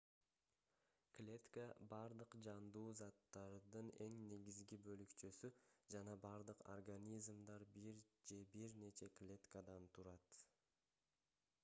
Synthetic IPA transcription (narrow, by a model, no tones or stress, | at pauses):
klʲe̞t̪kəbɑɾd̪ɯqd͡ʒɑnd̪uːzɑt̪ːɑɾd̪ɯne̞ŋne̞ɡʲizɡibølykt͡ʃøsyd͡ʒɑnɑbɑɾd̪ɯqo̰rɡanʲizmd̪ɑɾbiɾd͡ʒe̞biɾne̞t͡ʃe̞klʲe̞t̪kad̪ɑnt̪ʰuɾɑt̪